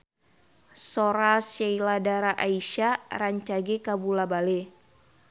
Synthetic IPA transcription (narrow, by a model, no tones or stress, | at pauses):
soɾasailadaɾaʔaiʃaraɲt͡ʃaɡekabulabale